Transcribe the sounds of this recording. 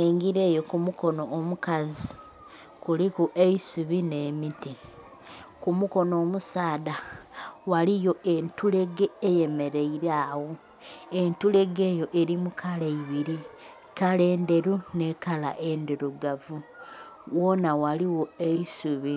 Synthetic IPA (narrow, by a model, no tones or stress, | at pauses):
eŋɡiɾe̞ːjo̞kumuko̞noːmukazi | kulikuʔeisuβine̞ːmiti | kumuko̞no̞ːmusaːdawalijo̞e̞ntule̞ɡe̞eje̞me̞ɾe̞iɾaːwo | entule̞ɡe̞ːjo̞ʔeɾimukʰaleiβiɾi | kale̞ːnde̞ɾune̞kala̰ʔe̞ndeɾuɡavu | wo̞nawaliwo̞eisuβi